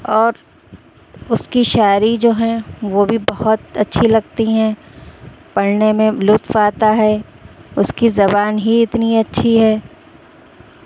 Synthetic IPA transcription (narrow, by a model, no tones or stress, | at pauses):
ɔːɾ | ʊskiʃaːɾid͡ʒoːɦɛ̃ʋobʱibɐhʊt̪ɐtːʃʰilɐɡt̪iɦɛ̃ | pɐɽnemẽlʊt̪faːt̪aɦɛ | ʊskizɐbaːnɦiɪt̪niɐtːʃʰiɦɛː